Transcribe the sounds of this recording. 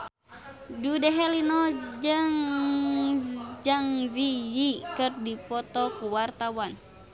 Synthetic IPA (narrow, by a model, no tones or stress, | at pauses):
dudɛɦɛlinɔd͡ʒaŋ | d͡ʒaŋzijikɨrdipɔt̪ɔkuwart̪awan